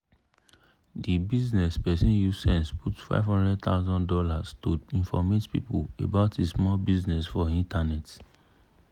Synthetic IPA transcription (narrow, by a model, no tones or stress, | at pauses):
dibiznɛspɛsĩnjusɛ̃nsputfa̰ɪvhɔ̃ndɹɛd̚t̪ʰa̰ʊzɔ̃ndɔlaztoĩnfɔmetpḭpulḛbaʊtismɔlbiznɛsfɔĩntanɛt